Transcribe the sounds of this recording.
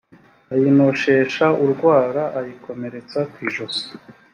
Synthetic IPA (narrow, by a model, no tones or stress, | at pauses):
ajino̞ʃe̞ːʃauɾɡwaːɾaʔajikʰo̞me̞ɾe̞t͡sakwiʒoso̥